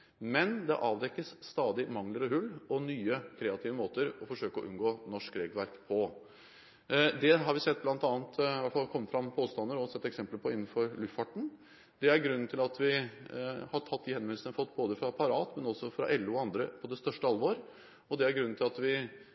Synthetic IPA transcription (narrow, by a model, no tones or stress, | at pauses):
mɛnd̪ɛʔɑːʋd̪ɛkːəsːt̪ɑːd̪ɪmɑŋləɾəhʉlːɔnyːəkʰɾɛɑt̪ʰɪːʋəmoːt̪əɾɔfɔʂøːkəɔʔʉ̰nɡoːnɔʂkɾeːɡl̩ʋæɾkpʰɔ | d̪ɛɦɑɾʋɪsɛt̪̚ːblɑnt̪ɑːnt̪ʰɪʋæʈfɑlkʰɔmːəfɾɑmpʰoːst̪ɑnd̪əɾɔsɛt̪ːɛksɛmpləɾpʰɔɪnːn̩fɔɾlʉfɑʈɳ̩ | d̪̥ɛæɾɡɾʉnːn̩t̪ʰɪlɑt̪ʋɪ | hɑʈʰɑt̪̚ːd̪ihɛnmʋɛnl̩sənəfɔt̪ːboːd̪əfɾɑpʰɑɾɑːt̪mɛnɔsɔfɾɑ̰ʔɛlːʉːɔɑnd̪ɾəpʰɔd̪ɛst̪œʂʈəɑlʋoːɾ | ɔd̪ɛæɾɡɾʉnn̩ʰɪlɑt̪ʋɪ